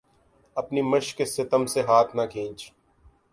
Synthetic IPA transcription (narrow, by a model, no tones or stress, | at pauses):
ɐpnimɐʃkːesɪt̪əmseɦaːt̪ʰnɐkʰĩːnt͡ʃ